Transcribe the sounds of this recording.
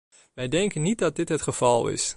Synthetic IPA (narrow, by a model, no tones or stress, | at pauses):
ʋɛjdɛŋkənːit̚dɑt̚dɪtɦətχəv̥ɑlˠɪ̰s